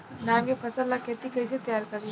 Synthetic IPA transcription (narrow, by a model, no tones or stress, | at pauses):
naːmkepʰɐsəlːakʰeːt̪ikɐiset̪ɐjaːɾkɐɾi